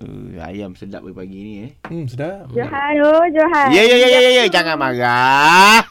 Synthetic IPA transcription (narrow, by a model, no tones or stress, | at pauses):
ə̰a̰jamsəda̰ʔ̚pbəipaɡinijəsədad͡ʒoɦanod͡ʒoɦajəjəjəjəjəjəd͡ʒaŋamaɡa